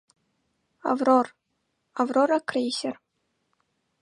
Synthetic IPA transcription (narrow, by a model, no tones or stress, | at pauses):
a̰vror | avroɾakrʲesʲer